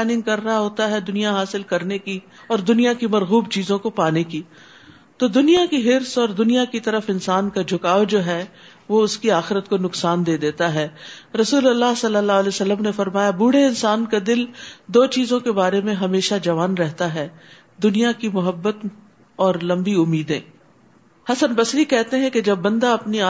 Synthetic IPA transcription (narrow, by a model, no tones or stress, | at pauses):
ɛːnɪ̃ŋɡ̚kɐɾːɐɦaɦoːt̪aɦɛd̪ʊnijaɦaːsɪlkɐɾneki | ɔːɾd̪ʊnijakimɐɾɣuːb̚t͡ʃiːzõkopaːneki | t̪oːd̪ʊnijakiɦɪɾsɔːɾd̪ʊnijakit̪ɐɾəfɪnsaːnkad͡ʒʱʊkaːod͡ʒoːɦɛː | ʋoʊskiaːxɪɾət̪konʊksaːnd̪eːd̪eːt̪aɦɛːɾɐsuːlɐlːaɦsɐlːəlːaːlesɐlːəmnefɐɾmaːjabuːɽeɪnsaːnkad̪ɪld̪oːt͡ʃiːzõkebaːɾemẽɦɐmeːʃad͡ʒɐʋaːnɾɛɦt̪aɦɛː | d̪ʊnijakimʊɦəbːət̪ | ɔːɾlɐ̃mbiʊmːiːd̪ḛ̃ː | hɐsənbɐsɾikɛɦt̪eɦɛ̃ked͡ʒɐbːɐ̃nd̪aɐpniaː